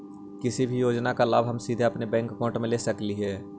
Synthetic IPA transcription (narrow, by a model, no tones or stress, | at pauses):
kɪsibʱijoːd͡ʒnakalaːbʱɦəmsiːd̪ʱeɐpnebɛ̃ːŋkkõːʈmẽlesəkliɦɛː